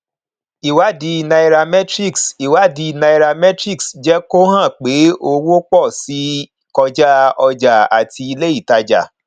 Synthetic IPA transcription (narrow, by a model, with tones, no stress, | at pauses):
i˨wa˨˦di˧na˧i˧ɾa˧mɛ˦tɾi˦˨ksi˨wa˨˦di˧na˧i˧ɾa˧mɛ˦tɾi˦˨ksd͡ʒɛ˦ko˦ɦã˦˨k͡pe˨˦o˧wo˦k͡pɔ˦˨si˨˦ | kɔ˧d͡ʒa˦ɔ˧d͡ʒa˨a̰˨tʰi˧i˧le˦i˦˨ta˧d͡ʒa̰˨